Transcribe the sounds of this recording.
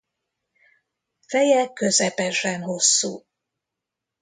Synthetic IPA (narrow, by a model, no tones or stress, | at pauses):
fɛjɛkøzɛpɛʃɛnho̞sːuː